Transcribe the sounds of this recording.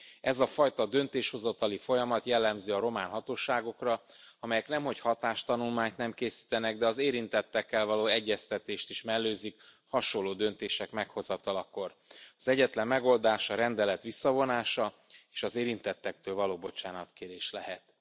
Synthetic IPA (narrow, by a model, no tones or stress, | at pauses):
ɛzɒfɒjt̪ɒd̪ø̞nt̪eːʃho̞zɒt̪ɒlifo̞jɒmɒt̪jɛlːɛmziɒɾo̞maːnɦɒt̪oːʃaːɡo̞krɒɒmɛjɛknɛmɦo̞chɒt̪aːʃt̪ɒnulmaːɲt̪nɛmkeːsi̥ːt̪ɛnɛɡd̪ɛɒzeːɾint̪ɛt̪ːɛkːɛlvɒloːɛɟːɛst̪ɛt̪eːʃt̪iʃmɛlːøːzik | hɒʃolːoːd̪ø̞nt̪eːʃɛkmɛkho̞zɒt̪ɒlɒkːo̞r | ɒzɛɟːɛt̪lɛmːɛɡo̞ld̪aːʃɒɾɛnd̪ɛlɛt̪ʋisːɒvo̞naːʃɒ | eːʃɒzeːɾint̪ɛt̪ːɛk̚t̪øːlvɒloːbo̞t͡ʃaːnɒt̪keːɾeːʃlɛɦɛt̪